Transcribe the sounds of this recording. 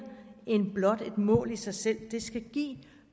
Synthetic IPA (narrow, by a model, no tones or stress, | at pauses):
e̝nb̥lɒ̽d̥e̝d̥mɔ̰̽ːlisɑ̈ɪsel̰d̥e̝sɡ̥æɡ̥ḭː